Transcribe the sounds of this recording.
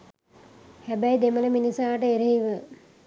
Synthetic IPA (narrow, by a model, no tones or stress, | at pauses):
hæbæjd̪emələminisaːʈəeɾeɦiʋə